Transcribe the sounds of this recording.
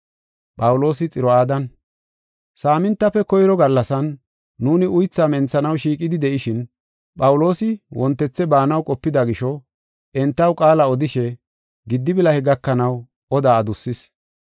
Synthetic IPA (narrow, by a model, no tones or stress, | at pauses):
pʼɐwʊlo̞ːsɪt͡sʼɪɾɔaːd̪ɐn | saːmɪnt̪ːɐfɛkɔjɾɔɡɐlːɐsɐnː | uːnɪʔʊjt͡sːaːmɛnt͡sːɐnɐwʃiːkʼɪd̪ɪd̪ɛʔɪʃɪn | pʼɐwʊlo̞ːsɪwʔɔnt̪ːɛt͡sːɛbaːnɐwkʼɔpːɪd̪ɐɡɪʃɔ | ʔɛnt̪ːɐwkʼaːlɐɔd̪ɪʃɛ | ɡɪd̪ːɪbɪlɐhɛɡɐkːɐnɐw | ɔd̪aːd̪ʊsːɪs